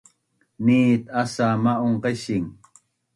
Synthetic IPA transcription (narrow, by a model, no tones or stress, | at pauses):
niːt̪asamaoɴqeʃiŋ